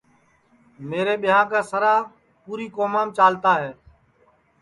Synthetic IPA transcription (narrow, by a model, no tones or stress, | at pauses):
meːɾeːɓɪjãːkaːsəɾaː | puːɾiːkoːmaːmt͡ʃaːlt̪aːɦɛː